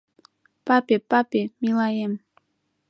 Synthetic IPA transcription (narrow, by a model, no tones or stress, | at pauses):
papepapemilajem